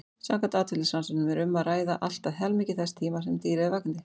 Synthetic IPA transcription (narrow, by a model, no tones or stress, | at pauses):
saːkant̪aːt̪fɪlɪsansɪnʏmɛɾʏmːaðraːjðaʔal̥t̪aðɦɛlmicɪθɛst̪ʰiːmasɛmt̪iːɾɪɪvaknɪ